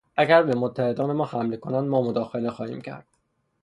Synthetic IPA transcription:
ʔæɡæɾbe̞mot̪ʰːæhe̞d̪ɒːne̞mɒːhæmle̞kʰo̞nænd̪mɒːmod̪ɒːxe̞le̞xɒːhḭːmcʰæ̰ɾd̪̥

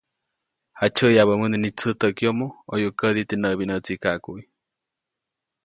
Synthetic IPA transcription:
hat͡ʃəjaβəmɨnenit͡sɨt̪əkiomoojukəd̪it̪enəβinət͡sikakuʔi

